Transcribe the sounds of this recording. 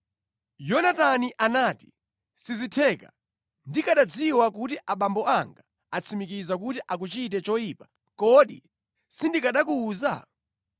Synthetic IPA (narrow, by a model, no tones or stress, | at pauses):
jɔnataniʔanaːti̥ | sizitʰɛːka̰ | ndikaɗad͡ziwakutiʔaɓambɔaŋɡa | at͡sʰimikizak̬utiʔak̬ut͡ʃitɛt͡ʃɔjiːpḁ | kɔɗḭ | sindikaɗakuːza̰